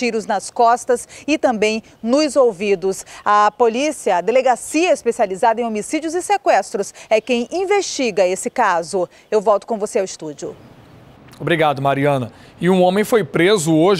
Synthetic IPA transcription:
iɾʊznɐskɔst̪ɐsɪt̪ɐ̃mbẽj̃ | nʊzowvid̪ʊsɐpolisiɐːd̪eleɡasiɐispesializad̪ɐẽomisid͡ʒjʊzɪsekwɛst̪ɾʊsɛkẽj̃ʔĩveʃt͡ʃiɡɐesɪkazʊ | ewvɔwt̪ʊ̥kõvoseawɪst̪ud͡ʒʊ̰ | obɾiɡad̪ʊmaɾiɐ̃nɐ | ɪũõmẽj̃fojpɾezʊoʒ

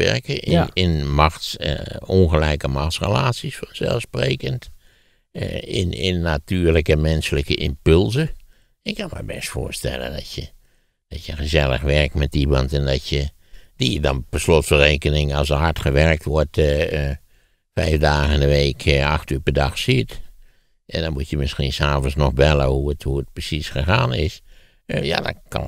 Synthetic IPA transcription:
ɛ̰ɹkəʔɪ̰ɪnmɑxtsɔnxəlɛjkəmɑxtsrə̰laːtsisfɔnzɛ̰lˠspreːkənt | ɪ̰nɪ̰nːatyːɹləkəmɛnsələkəʔɪmpɵlˠzə | ɪkʰːɑnmə̰jbɛstfoʊ̰ːɹstɛ̰lˠə̰ndɔtjə | d̥ɑtjəχəzɛlˠə̰χʋɛɹk̚tmɛtimɑntɛndɔtjə | d̥ijədɔnpəslotfəreːkənɪŋɑsəɦaɹtxəʋɛrk̚tʋɔɹt | fɛjfdaːɣəɪndəʋeːkʰaxtypəɹdaxsit | ɛndɔnmutjəmɪsxinsaːvənsnɔxbɛləhuəthuət̚prəsisxəxaːnɪs | ja̰dɔ̰kʰɑ̰n

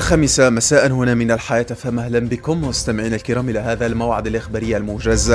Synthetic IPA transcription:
lxaːmɪsamasaːʔanhʊnaːmɪnalħajaːt̪famahlanbɪkʊmmʊst̪amɪʕiːnalkɪɾˤaːmʔɪlahaːðalmawʕɪd̪alʔaxbaːɾɪjːalmʊʒaza

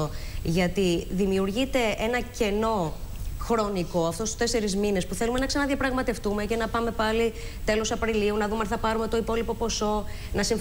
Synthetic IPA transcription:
oʝɐt̪iðimiuɾʝit̪e̞e̞nɐce̞no̞xɾo̞niko̞ɐft̪ost̪u̥st̪e̞se̞ɾizmine̞spuθe̞lume̞nɐksɐnɐðiɐpɾɐɣmɐt̪e̞ft̪ume̞ce̞nɐpɐme̞pɐli | t̪e̞lo̞sɐpɾiliunɐðumɐnθɐpɐɾume̞t̪o̞ipo̞lipo̞po̞so̞ | nɐsiɱf

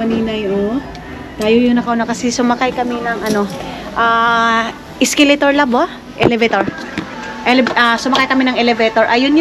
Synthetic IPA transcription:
mɐniːnɐjʔo | t̪aːjojʊŋnɐkɐʔʊnakɐsɛsʊmɐkajkɐmɛnɐŋʔɐno̞ | ʔaː | ʔɪskɛlɛt̪oɹlɐbo | ʔɛ̰lɛvɛt̪oɹ | ʔɛlɛʔasʊmɐkajkɐmɛnɐŋʔɛlɛvɛt̪oɹʔɐjʊn

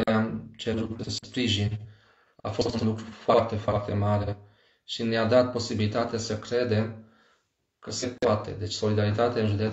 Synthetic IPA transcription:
leamt͡ʃeɾut̪spɾiʒin | a̰fo̞st̪unlukɾufoart̪e̞foart̪e̞maɾe̞ | ʃinead̪at̪̚po̞sibilit̪at̪easəkɾe̞d̪e̞m | kʰəse̞poat̪e̞̰d̪e̞t͡ʃʲso̞lid̪aɾit̪at̪eaɨnʒud̪e

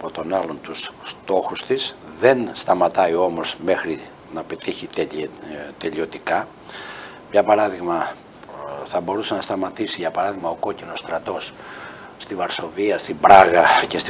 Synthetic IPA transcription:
pot̪o̞nɐlo̞nt̪usst̪o̞xust̪isðe̞nst̪ɐmɐt̪ɐio̞mo̞zme̞xɾi | nɐpet̪içit̪ | t̪e̞ʎio̞t̪ikɐ | mɲɐpɐɾɐðiɣmɐ | θɐbo̞ɾusenɐst̪ɐmɐt̪isiʝɐpɐɾɐðiɣmɐoko̞cino̞st̪ɾɐt̪o̞sː | t̪ivɐɾso̞viɐst̪ibɾɐɣɐcest̪

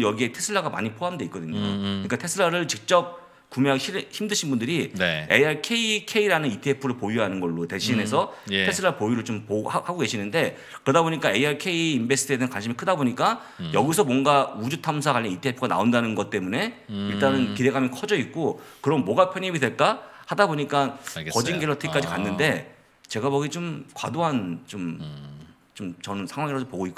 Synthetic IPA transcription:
jʌɡie̞tʰe̞sʰɯɭːaɡama̰ɲipʰoɦamdeik͈ʌdɯɲoɯɲik͈atʰe̞sʰɯɭaɾɯɭt͡ɕik̚t͡ɕ͈ʌp̚ | kumeɦaɡeɕʰiçimdɯɕʰinbundɯɾineeaɭkʰe̞ikʰe̞iɾanɯnitʰiepʰɯɾɯɭpojuɦanɯnɡʌɭːote̞ɕʰine̞sʰʌtʰe̞sʰɯɭːaɭpojuɾɯɭt͡ɕompohahaɡoɡe̞ɕʰinɯnde̞ | kɯɾʌdaboɲik͈aeiaɭkʰe̞iːnbe̞sʰɯtʰɯedeɯnkwanɕʰimikʰɯdaboɲik͈a | jʌɡis̬ʰʌmwʌnɡaud͡ʑutʰamsʰakaʎːʌnitʰepʰɯɡana̰ondanɯnɡʌt̚t͈e̞mune̞iɭt͈anɯnkide̞ɡamjʌnkʰʌd͡ʑʌik̚k͈okɯɾʌnmwʌɡapʰjʌɲibidweɭk͈ahadaboɲik͈ankʌd͡ʑinɡeɭːʌtʰɯik͈ad͡ʑikanːɯnde̞ | t͡ɕe̞ɡabʌɡit͡ɕomkwadoɦant͡ɕom | t͡ɕomt͡ɕʌnɯnsʰaŋɦwaŋiɾadopoɡoik͈

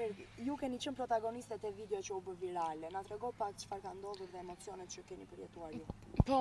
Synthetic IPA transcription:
ɛɾijukɛnit͡ʃənpɾɔt̪aɡɔnist̪ɛt̪ɛvid̪ɛɔt͡ʃəubəviɾalɛnat̪ɾɛɡɔpakt͡ʃfaɾkand̪ɔðuɾðɛɛmɔt͡siɔnɛt̪̚t͡ʃəkɛnipəɾjɛt̪uaɾju | pɔ

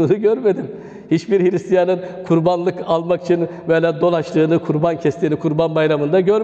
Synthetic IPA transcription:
nɯɟøɾme̞d̪im | hit͡ʃbiɾhiɾist̪ʰijanɯnkʰuɾbanlˠɯkalˠmaki̥t͡ʃʰinvɛlʲaːd̪o̞lˠaʃlˠɯːnɯkʰuɾbancʰɛst̪ʰiːnikʰuɾbanbajɾamɯnd̪aɟøɾ

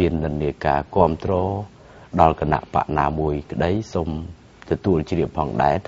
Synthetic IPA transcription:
iənːɨnːiəka̰ːkŏəmt̪rɔː | ɗɑlkana̰ʔpa̰ʔnaːmuəjkə̆ɗəjsom | t̪ɔt̪uəlt͡ɕriəpʰːɑːŋɗa̰ɛt̪ʰ

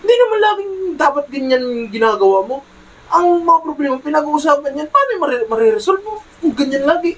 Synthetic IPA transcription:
nd̪inɐmanlaːɡɪŋd̪aːpat̪̚ɡɐɲːanɡɪnaːɡɐwamo̞ | ʔɐŋmɐŋapɾoblɛːmapɪnɐɡuʔus̬aːpɐnɲanpaːmɪmɐɾmɐɾɛɾɛsolt̪o | ʊɡɐɲːanlaːɡɪʔ

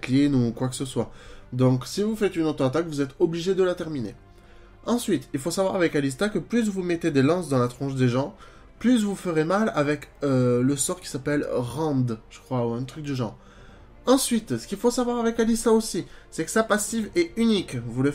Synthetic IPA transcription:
klinukwakə̥səswad̪ɔ̃ksivufɛt̪ynot̪χəat̪akvuzɛt̪ɔbliʒed̪əlat̪ɛʁminḛ | ɑ̃sɥit̪ilfosavwaʁavɛkalis̬t̪akəplys̬vumɛt̪ed̪elɑ̃sd̪ɑ̃lat̪χɔ̃ʃd̪eʒɑ̃ | plys̬vufəʁemalavɛkøləsɔʁkʲi̥sapɛlʁɑ̃d̪ʒ̥əkχwauɛ̃t̪χyk̚d̪əʒɑ̃ʁ | ɑ̃sɥit̪sə̥kʲilfosavwaʁavɛkalist̪aosisɛkə̥sapasivɛynikvulə

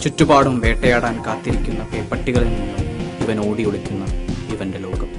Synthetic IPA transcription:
t͡ɕutːubaːɽumʋe̞ːʈːɐjaːɽaːnkaːt̪ːiɾikʲːunːɐpeːpːɐʈːiɣɐɭilniɳːumiʋɐnoːɽioɭukʲːunːɐiʋɐnde̞lo̞ːɡɐm

